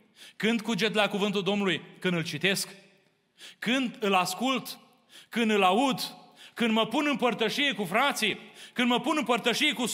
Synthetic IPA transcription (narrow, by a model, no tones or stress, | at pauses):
kɨnd̪kud͡ʒe̞t̪lakuvɨnt̪uld̪o̞mnulujkɨnd̪ɨlt͡ʃit̪e̞sk | kɨnd̪ɨlaskult̪ | kɨnd̪ɨlaud̪kɨnd̪məpunɨmpərt̪əʃije̞kufɾat̪sikɨnd̪məpunɨmpərt̪əʃije̞kus